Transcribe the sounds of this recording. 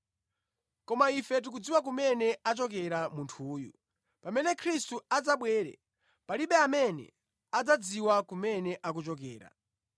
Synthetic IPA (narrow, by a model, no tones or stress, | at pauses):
kɔmaifɛt̬ik̬ud͡ziwak̬umɛnɛat͡ʃɔk̬ɛɾamuntʰuːjṵ | pamɛnɛkʰɾistuad͡zaɓwɛːɾɛ̰ | paliɓɛamɛnɛ̰ | ad͡zad͡ziwakumɛnɛʔak̬ut͡ʃɔk̬ɛːɾa̰